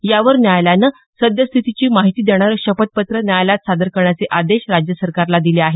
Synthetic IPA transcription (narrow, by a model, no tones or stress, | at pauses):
jaʋəɾnjajljanə | səd̪jəst̪ʰit̪it͡ɕiːmaɦit̪iːd̪eɽ̃aɾɕəpət̪̚pət̪ɾənjajlat̪sad̪əɾkəɾɳjat͡seʔad̪eɕɾad͡ʑjəsəɾkaɾlad̪ileaɦe